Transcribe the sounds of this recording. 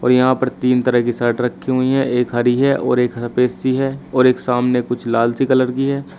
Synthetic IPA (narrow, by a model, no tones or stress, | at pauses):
ɔ̰ːɾjɐɦãpəɾt̪iːnt̪ɐɾəɦkisɐɾʈɾɐkʰːiɦʊiɦɛʔeːkɦɐɾiɦɛʔɔ̰ːɾeːkɐpeːsiɦɛːɔːɾeːksaːmnekʊt͡ʃʰlaːlsikɐləɾkiɦɛː